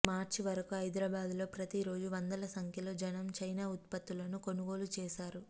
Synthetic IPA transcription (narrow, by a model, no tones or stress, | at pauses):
maːɾt͡ʃiʋɐɾɐkuɐjd̪ɾaːbaːd̪lo̞ːpɾɐt̪iɾo̞ːd͡ʒuʋɐnd̪ɐlɐsɐŋkʰjɐlo̞ːd͡ʒɐnɐmt͡ʃɐjnaːut̪̚pɐt̪ːulɐnuko̞nuɡo̞ːlut͡ʃɛːʃaːɾu